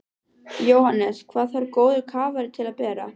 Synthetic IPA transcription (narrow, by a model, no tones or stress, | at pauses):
joːwhanːɛskʰvaːðθaɾkoːwðʏkʰaːvaɾɪt̪ʰɪlaðpɛːɾa̰